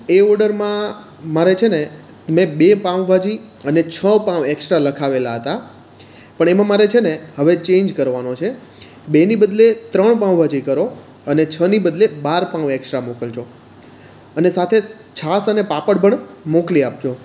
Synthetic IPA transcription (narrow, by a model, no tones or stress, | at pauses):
eɔɾɖəɾmã | maɾet͡ʃʰene | mẽbepãʋbʱad͡ʒiənet͡ʃʰəpãʋeksʈɾaləkʰaʋelaɦət̪a | pəɳemãmaɾet͡ʃʰeneɦəʋet͡ʃẽɲd͡ʒkəɾʋanot͡ʃʰe | benibəd̪let̪ɾəɳpãʋbʱad͡ʒikəɾo | ənet͡ʃʰənibəd̪lebaɾpãʋeksʈɾamokəlt͡ʃʰo | ənesat̪ʰe | t͡ʃʰasənepapəɽbʱəɳmokliap̚t͡ʃʰo